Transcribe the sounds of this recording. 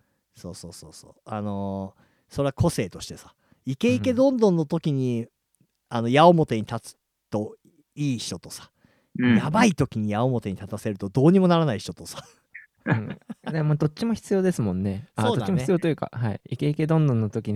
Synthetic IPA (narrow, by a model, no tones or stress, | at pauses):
so̞̰ːso̞ːso̞̰ːso̰ːano̞ | so̞ɾe̞akʰo̞se̞ːt̪o̞ɕi̥t̪e̞sḁ | ike̞ike̞d̪õ̞nd̪õ̞nːo̞t̪o̞kʲiɲ̟i | ano̞jaomo̞t̪e̞ɲ̟it̪at͡sɨ̥ | t̪o̞ | iːɕi̥t̪o̞t̪o̞sḁ | jabait̪o̞kʲiɲ̟ijao̞mo̞t̪e̞ɲ̟it̪at̪ase̞ɾɯ̟t̪o̞d̪o̞ːɲ̟imo̞naɾanaiɕo̞t̪o̞sḁ̃ | d̪emoːd̪o̞tt͡ɕːimo̞çi̥t͡sɨjo̞ːd̪e̞sɨmõ̞nːe̞saodːd̪at͡ɕːimoçt͡sɨijo̞ːt̪o̞jɯ̟ka̰haḭike̞ike̞d̪õ̞nd̪õnːot̪okʲiɲ